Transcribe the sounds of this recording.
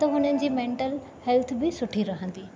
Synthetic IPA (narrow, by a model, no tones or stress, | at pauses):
t̪ɐɦʊn̤ənɪ̆d͡ʑiːmẽːɳʈəl | hɛlt̪ʰbɪsʊʈʰiɾɐɦə̃nd̪iː